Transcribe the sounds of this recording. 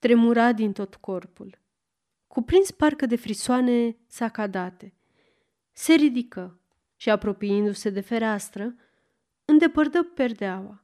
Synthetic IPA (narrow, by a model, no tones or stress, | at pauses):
t̪ɾe̞muɾad̪int̪o̞t̪ko̞rpul | kupɾinsparkəd̪e̞fɾisoane̞ | sakad̪at̪e̞ | se̞ɾid̪ikə | ʃiapɾo̞piɨnd̪use̞d̪e̞fe̞ɾast̪ɾə | ɨnd̪e̞pərd̪əpe̞rd̪eawa